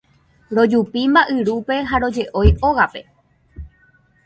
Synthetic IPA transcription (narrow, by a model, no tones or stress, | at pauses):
ɾo̞d͡ʒupimbaʔɨɾupe̞ɦaɾo̞d͡ʒe̞ʔo̞jʔoɣape̞